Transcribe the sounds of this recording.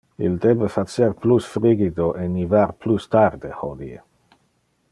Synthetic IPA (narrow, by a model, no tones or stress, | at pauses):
ild̪ebefat̪t͡seɾplusfɾiɡid̪oʔenivarplust̪ard̪ehod̪iḛ